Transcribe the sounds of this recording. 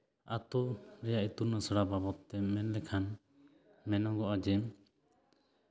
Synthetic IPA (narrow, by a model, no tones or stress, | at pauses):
a̰t̪ɔɾɛjaʔit̪unasəɽababɔt̪ːɛmɛnlɛkʰan | mɛnɔɡɔʔad͡ʒɛm